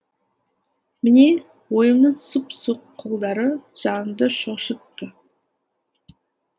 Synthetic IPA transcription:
mɪne̞ | wo̞jəmnəɴsʊpsuqʰːolˠd̪ɑɾəʒ̥ɑnəmd̪əʃoʃət̪ːə

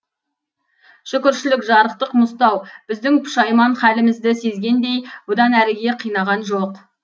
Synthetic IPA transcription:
ʒ̥ʏkʲɪɾʃɪlɪkʒɑɾəqt̪əqmʊst̪ɑwb̥ɪzd̪ɪŋpʰʊ̥ʃɑjmɑɴχælɪmɪzd̪ɪse̞zɡʲe̞nd̪e̞jbod̪ɑnæɾɪɡʲe̞qʰijnɑʁɑnʒo̞q

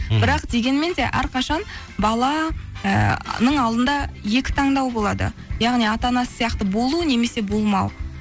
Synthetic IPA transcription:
bɪɾɑqd̪e̞ɡʲe̞nme̞nd̪e̞ʔæ̰ɾqɑʃɑn | bɑlˠɑənəɴɑlˠd̪ənd̪ɑje̞kʲɪ̥t̪ʰɑɴd̪ɑwbo̞lˠɑd̪ə̰jɑʁnijɑt̪ɑnɑsə̥sijɑqt̪əbo̞lˠuəne̞me̞se̞bolˠmɑw

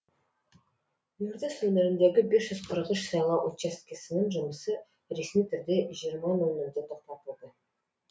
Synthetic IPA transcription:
j̪uɾd̪eswɵneɾɪnd̪e̞ɡʲɪbesʒ̥ʏzqʰəɾəqʏʃsɑjlˠɑʔot̪t͡ʃest̪̚kʲesɪnɪŋʒʊməsə | ɾe̞smijt̪ʰʏɾd̪e̞ʒijəɾmɑnoneɾd̪et̪ʰoq̚t̪ɑt̪əlˠd̪ə

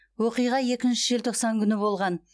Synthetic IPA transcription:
woqijʁɑje̞kʲɪnʃɪʒelt̪ʰoqsɑŋkʲʰʏnɪbo̞lˠʁɑn

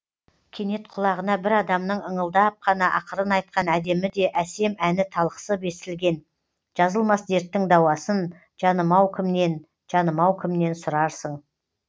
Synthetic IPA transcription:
kʲʰe̞ne̞t̪qʰʊlˠɑʁənɑbɪɾɑd̪ɑmnəɴəɴəlˠd̪ɑp̚qʰɑnɑʔɑqʰəɾənɑjt̪̚qɑnæd̪e̞mɪd̪e̞ʔæse̞mænɪt̪ʰɑlˠqə̥səbe̞sɪlɡʲe̞n | ʒ̥ɑzəlˠmɑsd̪e̞ɾt̪ːɪŋd̪ɑwɑsən | ʒ̥ɑnəmɑwkʲʰɪmne̞n | ʒ̥ɑnəmɑwkʲʰɪmne̞nsʊɾɑɾsəɴ

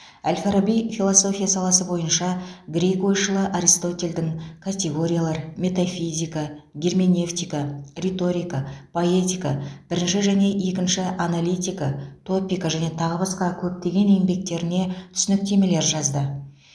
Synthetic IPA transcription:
ælʲfeɾobijfʲilˠoso̞fʲijasɑlˠɑsəbo̞jənʃɑɡɾʲekojʃəlˠəʔaɾijst̪o̞t̪ʲe̞ld̪ɪŋkʰat̪ʲe̞ɡo̞ɾʲijalˠɑɾmʲe̞t̪afʲizʲijkaɡʲermʲene̞ft̪ijkarʲet̪o̞ɾijkapʰo̞et̪ʲijkab̥ɪɾɪnʃɪʒæne̞ʔe̞kʲɪnʃɪʔanalʲijt̪ʲijkat̪ʰo̞pʲijkaʒæne̞t̪ʰɑʁəbɑsqɑkʲʰɵp̚t̪e̞ɡʲe̞ne̞ŋbe̞k̚t̪e̞ɾɪne̞t̪ʰʏ̥sɪnɪk̚t̪e̞me̞le̞ɾʒɑzd̪ə

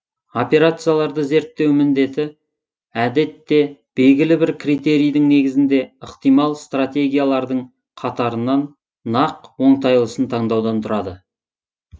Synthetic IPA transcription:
o̞pe̞ɾat̪sɨjalˠɑɾd̪əze̞ɾt̪ːe̞wmɪnd̪e̞t̪ɪ | æd̪e̞t̪ːe̞b̥e̞lɡʲɪlɪbɪɾkrijt̪e̞ɾijd̪ɪŋne̞ɡʲɪzɪnd̪e̞əqt̪ijmɑlˠst̪rat̪ʲe̞ɡʲijalˠɑɾd̪əɴ | qʰɑt̪ɑɾənːɑnː | ɑqwo̞ɴt̪ɑjlˠəsənt̪ʰɑɴd̪ɑwd̪ɑnt̪ʰʊɾɑd̪ə

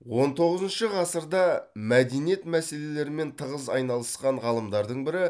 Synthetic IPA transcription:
wo̞nt̪ʰo̞ʁəzənʃəʁɑsəɾd̪ɑmæd̪e̞nije̞t̪mæse̞le̞le̞ɾɪme̞nt̪ʰəʁəzɑjnɑlˠəsqɑɴʁɑlˠəmd̪ɑɾd̪əɴbɪɾɪ

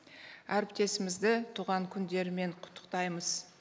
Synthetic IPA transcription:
æɾɪp̚t̪e̞sɪmɪzd̪ɪt̪ʰuʁɑŋkʲʰʏnd̪e̞ɾme̞ɴqʰʊ̥t̪ʰːə̥qt̪ɑjməz̥

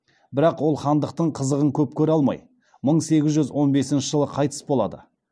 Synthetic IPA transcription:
bɪɾɑqwo̞lˠχɑnd̪əqt̪əɴqʰəzəʁəŋkʲʰɵp̚kʲʰɵɾɑlˠmɑ̰j | məɴse̞ɡʲɪzʒʏzwo̞nbe̞sɪnʃɪʒəlˠəqʰɑjt̪ə̥sbo̞lˠɑ̰d̪ə̰

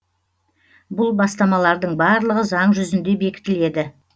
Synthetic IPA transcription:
bʊlˠbɑst̪ɑmɑlˠɑɾd̪əɴbɑɾlˠəʁəzɑɴʒʏzɪnd̪e̞be̞kʲɪ̥t̪ɪle̞d̪ɪ

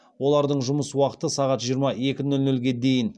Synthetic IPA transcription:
wo̞lˠɑɾd̪əɴʒʊməswɑqə̥t̪əsɑʁɑt̪ʒijəɾmɑe̞kʲɪnɵlnɵlɡʲe̞d̪e̞jɪn

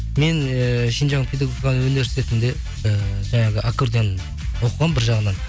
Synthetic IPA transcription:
me̞nəʃinʒɑŋpʰʲed̪aɡokɑnəwɵne̞ɾst̪e̞t̪ɪnd̪e̞ | əʒɑɴɑʁəʔakuɾd̪en | wo̞qəʁɑmbɪɾʒɑʁənɑn

